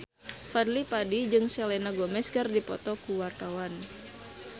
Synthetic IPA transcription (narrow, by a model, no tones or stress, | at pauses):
fad̪lipadid͡ʒɨŋsɛlɛnaɡɔmɛskɨrdipɔt̪ɔkuwart̪awan